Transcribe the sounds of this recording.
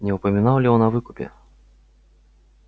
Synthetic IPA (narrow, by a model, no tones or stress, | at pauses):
nʲɛupɐmʲinawlʲiɔnɐvɨkupʲɛ̰